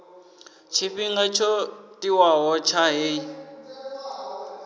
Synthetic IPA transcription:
t͡ʃʰiɸiŋɡat͡ʃʰɔtʼiwaɦɔt͡ʃʰaɦe

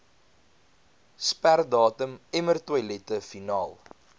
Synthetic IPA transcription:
spærdɑːtəmɛmərtwɐjlɛtəfinɑːlˠ

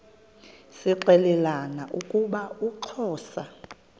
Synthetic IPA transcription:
siǃɛlɛlanaʔukʼuɓauǁʰɔːsa

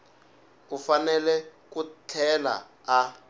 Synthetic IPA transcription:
ufanɛlɛkutʰɛla̰ː

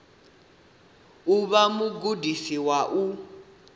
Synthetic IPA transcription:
uβamuɡudisiwaʔu

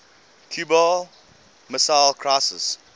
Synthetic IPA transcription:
kʰjuːbɔl | məsaɪlkʰɹaɪsə̰s

